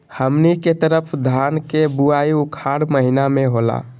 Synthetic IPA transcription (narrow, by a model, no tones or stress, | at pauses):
həmniket̪əɾəpʰd̪ʱankebuaiukʰaɽməɦinameɦola̰